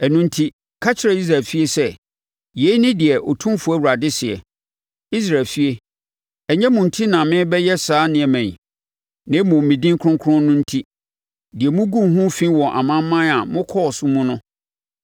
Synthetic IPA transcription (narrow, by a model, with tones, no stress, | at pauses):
ɛ˨nũ˦n̩˦tʰi˦ | kʰa˦t͡ɕʰɪ˦ɾa˨i˦s̬ɾa˨lfi˦e˦sɛ˦ | je˨˦nɪ̃˦dɪ˨ɛ˨ʔo˨tʰũ˦fʊ˨æ˦˨wu˨ɾa˨dɪ˦sɪ˨ɛ̰˨ | i˦s̬ɾaː˨lfi˦e˦ | ɛ˨ɲɛ̃˦mũ˨n̩˨tʰi˦nã˨mɪ̃˦bɛ˦jɛ˦saː˨˦nɪ̃˨ɛ˨mæ̃˨ɲ˨ | nɪ̃˨˦mʊ̃˨mmĩ˨dĩ˦ŋ˦kʰʊ˦ʊ̃˦ŋkʰʊ˦ɾʊ̃˦nʊ̃˦n̩˦tʰi˦ | dɪ˨ɛ˨mũ˦ɡũ˦˨ɦũ˦fĩ˦wɔ̃˨ʔa̰˨mã˦m˦mã˦na˨mʊ̃˦kʰɔ˦ɔ˨sʊ˦mũ˦nʊ̃˦